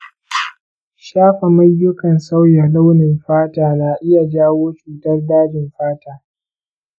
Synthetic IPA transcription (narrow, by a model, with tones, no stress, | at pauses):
ʃaː˦ɸa˨mɐ˦jːʊ˦kɐ˨nsa˦wja˨la˦wnɪ˨mɸaː˦taː˨naː˨ʔɪ˦ja˨d͡ʒaː˦woː˦t͡ʃuː˨tɐ˦rdaː˦d͡ʒɪ˨mɸaː˦taː˨